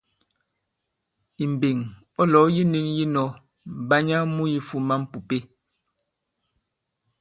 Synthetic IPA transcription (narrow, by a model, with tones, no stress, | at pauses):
i˨m˨be˨ŋ | ɔ˦lɔ˨˦ji˦ni˦ŋji˦nɔ˦ | m˨ba˦ɲa˦mu˦ji˦fu˦ma˦m˦pu˨pe˦